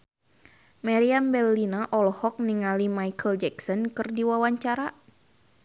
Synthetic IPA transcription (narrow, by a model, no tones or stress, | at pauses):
maɾiambɛlːinaʔɔlhɔk̚niŋalimajkʰəld͡ʒɛksɔnkɨrdiwawaɲt͡ʃaɾa